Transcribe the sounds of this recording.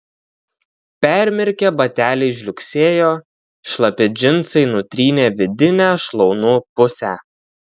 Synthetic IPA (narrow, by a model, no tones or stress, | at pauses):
pʲæɾʲmʲɪɾʲkʲebɐt̪ʲæːlʲɛɪʒ̬ʲlʲʊkʲsʲeːjoː | ʃlˠɐpʲɛd͡ʒʲɪnt̪sɐɪnʊt̪ʲɾʲiːnʲeːʋʲɪd̪ʲɪnʲæːʃlˠɔʊnuːpʊsʲæː